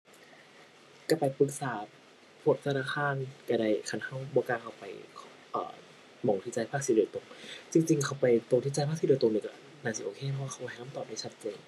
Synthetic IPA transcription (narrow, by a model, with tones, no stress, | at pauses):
ka˧˩pa˨jpɯ˧˦˩k̚saː˨˩˦ | pʰo˨˩t̪̚tʰnaː˧˩kʰaː˧nka˧˩da˧˩jkʰa˧˩nha˧˥˩wbɔː˧kaː˧nkʰa˧˩wpa˨˩jkʰːʔə̰ː˨˩ | mɔ˨˩˦ŋt̪ʰi˧˩t͡ɕaː˧jpʰaː˥˩k̚siː˧˩doː˧jt̪o˧ŋt͡ɕi˧ŋt͡ɕi˧ŋkʰa˧˩wpa˨jt̪o˧t̪ʰi˧˩t͡ɕaː˧jʰa˥ksi˧˥doː˧jt̪o˧ŋniː˧˩kɔ˧˩ | naː˧˩si˧˩ʔoː˧kʰeː˧˩pʰɔ˧waː˥˩xa˧˩ma˧hna˥˨mt̪ɔː˨˩p̚da˧˩t͡ɕʰa˦˥t̪̚t͡ɕeː˧ŋ